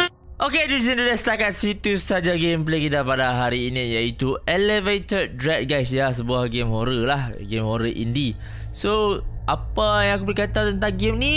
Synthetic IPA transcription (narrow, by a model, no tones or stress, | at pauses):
ʔokedis̬ĩnt̪udɛst̪akat̪̚sit̪usad͡ʒaɡemp̬lekit̪apadaɦaɾiːnit̪̚jait̪ueləvet̪əd̪̚dɾɛt̚ɡajsjas̬əbuahɡemhoɾəlahɡemhoɾəʔḭndi | soʔapajãŋakubəlikat̪at̪ənt̪̬ãŋɡemni